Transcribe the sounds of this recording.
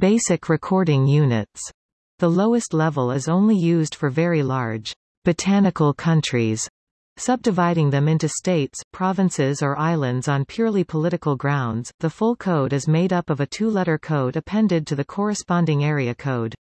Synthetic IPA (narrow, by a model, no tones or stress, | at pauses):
b̥eɪsɨkʰɹɨkʰɔɹɾɪ̃ŋjʉnɨ̰ts | ðəloʊɨstˡlɛvl̩ˠɪzõʊ̃nlijʉzd̥fə˞vɛɹilɑɹd͡ʒ | b̥ɨtʰænɨkl̩ˠkʰʌ̃nt͡ʃɹ̥iz̥ | sʌb̚dɨvaɪɾɪ̃ŋðɨ̃mɪ̃ntʉsteɪtspʰɹ̥ɑvɨ̃nsɪzə˞ʔaɪlˠɨ̃ndzn̩pʰj̥ʊɹlˠipʰəlɪɾɨkl̩ˠɡɹãʊ̃ndz̥ðəfʊlˠkʰoʊɾɨzmeɪɾʌpʌvɨtʰulɛɾə˞kʰoʊɾɨpʰɛ̃ndɨd̚tʰɨðɨkʰɔɹɨspɑ̃ndɪ̃ŋɛɹiɨkʰoʊd̥